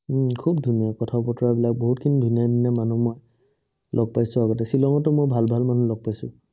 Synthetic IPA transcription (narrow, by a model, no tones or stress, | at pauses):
m̩kʰub̚dʱunijakɔtʰapɔtɔɹabilak̚boɦutkʰinidʱunijadinamanumoj | lʔɔɡ̚pajsʊaɡɔtɛsilɔŋɔtʊmojbʱalbʱalmanulɔɡ̚pajsʊ̰